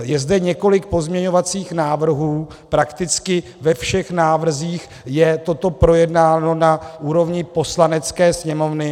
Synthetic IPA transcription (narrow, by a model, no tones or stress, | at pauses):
jɛzdɛɲɛko̞lɪk̚po̞zmɲɛɲo̞vat͡siːxnaːvr̩ɦuː | pɾakt̪ɪt͡skɪ | vɛfʃɛxnaːvr̩ziːx | jɛt̪o̞t̪o̞pɾo̞jɛdnaːno̞naʔuːɾo̞vɲɪpo̞slanɛt͡skɛːsɲɛmo̞vnɪ